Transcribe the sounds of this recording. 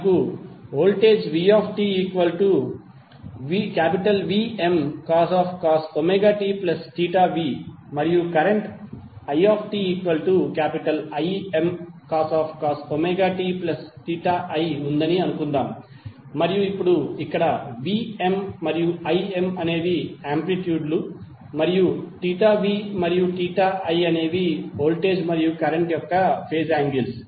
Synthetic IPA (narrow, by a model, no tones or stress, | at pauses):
kuoːlʈeːd͡ʒʋiːaːpʰʈiːiːkʋɐlʈu | ʋikaːpiʈɐlʋiːemkaːsaːpʰkaːsomeːɡaːʈiːplɐsʈiːʈaːʋiː | mɐɾijukɐɾeɳʈɐjaːpʰʈiːiːkʋɐlʈukaːpiʈɐlɐjemkaːsaːpʰkaːsomeːɡaːʈiːplɐsʈiːʈaːʔɐjund̪ɐniɐnukund̪aːm | mɐɾijuipːuɽuikːɐɽɐʋiːe̞mːɐɾijuɐjemɐne̞ːʋiaːmpliʈjuːɖlu | mɐɾijuʈiːʈaːʋiːmɐɾijuʈiːʈaːʔɐjɐne̞ːʋio̞ːlʈe̞ːd͡ʒmɐɾijukɐɾeɳʈjɔkːɐpʰe̞ːd͡ʒaːŋɡils